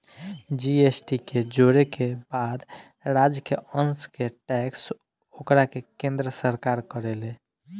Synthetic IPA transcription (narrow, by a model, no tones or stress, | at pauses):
d͡ʒiesʈiked͡ʒoɾekebad̪ | ɾad͡ʒkeənskeʈɛks | okɾakekẽnd̪ɾəsəɾkaɾkəɾele